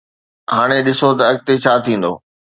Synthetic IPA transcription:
ɦaːɽ̃eɗɪsot̪ɐːk̚t̪et͡ɕʰaːt̪ʰĩːn̆d̪oː

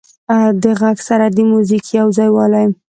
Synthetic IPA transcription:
d̪əɣaɡsaɾad̪əmuzikjawzɑjwɑlajm

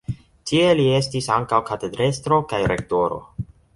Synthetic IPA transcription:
tʰie̞lie̞stisaŋkawkate̞dɾe̞stɾo̞kajɾe̞k̚to̞ɾo̞̰

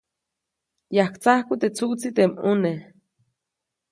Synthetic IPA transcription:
jahkt͡sahkut̪et͡sut͡sit̪emune

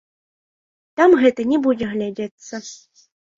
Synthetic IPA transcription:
t̪amɣɛt̪ənʲɛbudʲeɣlʲadʲet̪t͡sːə

